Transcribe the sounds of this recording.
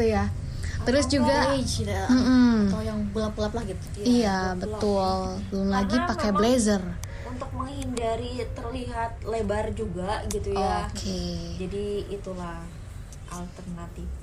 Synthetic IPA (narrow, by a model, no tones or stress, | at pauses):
t̪uja | t̪əɾʊsd͡ʒuɡat͡ʃdam̩m̩ojaŋbulap̚ulaplahɡi | ijabət̪ʊlbəlʊmlaɡipakɛblezər | unt̪ʊk̚məŋhindaɾit̪ərliɦat̪̚lebard͡ʒuɡaɡit̪ujoakʰed͡ʒadiːt̪ulah | ʔalt̪ərnat̪if